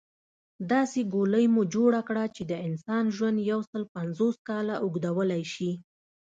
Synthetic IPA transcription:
d̪ɑseɡoləjmud͡ʒoɽakɽat͡ʃed̪əɪnsɑnʒwand̪jawsəlpanzoskɑlaʔʊɡd̪awəlajʃi

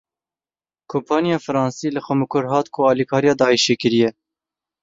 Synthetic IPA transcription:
kʰompʰɑːnjɑːfɨɾɑːnsiːlɨxʷɛmɨkʰʊɾɦɑːt̪kʰʊɑːlikʰɑːɾijɑːd̪ɑːiʃeːkɨɾijɛ

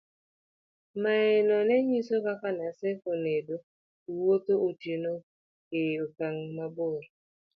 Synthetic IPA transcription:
maɛnɔnɛɲisokakanasekonedo | uwot̪oʔotjeno | keokaŋmabʊɾ

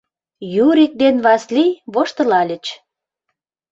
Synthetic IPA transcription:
juɾik̚d̪enβɑslijβoʃt̪ə̆lɑlʲə̆t͡ɕ

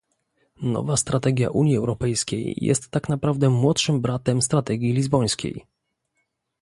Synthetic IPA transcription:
nɔ̰vast̪ɾat̪ɛɡʲja̰ʔuɲjiɛwɾɔpɛjskʲḛjːɛ̰st̪ːaknapɾavd̪ɛmwɔt̪ʂɘmbɾat̪ɛmst̪ɾat̪ɛɡʲjilʲizbɔj̃skʲḛj

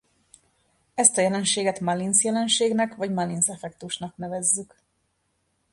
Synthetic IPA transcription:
ɛst̪ɒjɛlɛnʃeːɡɛt̪mɑlinsjɛlɛnʃeːɡnɛkʋɒɟmɑlinsɛfɛkt̪uʃnɒknɛvɛzːyk

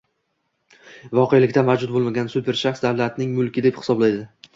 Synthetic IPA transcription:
vɒqʰejlɪkʲt̪amawd͡ʒʊt̪̚bolˠmaɡʲansʊpʰe̞ɾʃaχsd̪avlat̪nɪŋmʊlˠkʲɪd̪e̞phɪ̥sɒblajd̪ɪ

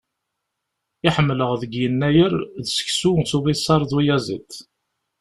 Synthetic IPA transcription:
ɪħəmːləʁðəɡjənːæjəɾðsə̥çsusuvisˤɑɾˤðwijæzḭt̪ː

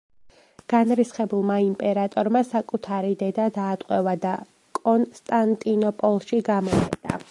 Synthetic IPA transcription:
ɡ̥anɾisχɛbulˠmaimpʼɛɾat̪ʼɔɾmasakʼut̪ʰaɾid̪ɛd̪ad̪aːt̪ʼqʼwɛvad̪a | kʼɔnst̪ʼant̪ʼinɔpʼɔlˠʃiɡamɔχɛ̰d̪a̰

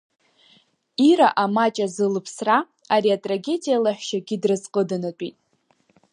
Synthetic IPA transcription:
iɾaʔamat͡ʃʼazɨlɨpʰsra | aɾiatʼraɡʲe̞dijalaħʷᶣʃaɡʲɪdrɨzqʼədanat͡pʷʼḭtʼ

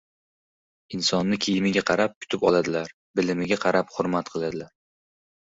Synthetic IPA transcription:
ɪnsɒnːɪkʲʰejɪmɪɡʲaqʰɑɾap̚kʰʊ̥t̪ʰɪpɒlˠad̪ɪlaɾ | bɪlɪmɪɡʲaqʰɑɾaphʊɾmat̪̚qʰɨlˠad̪ɪlaɾ

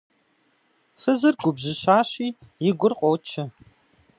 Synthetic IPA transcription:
xəzɨrɡʷʊbʑɪɕaːɕiːjɪɡʷʊrqʼot͡ʃʰɐ

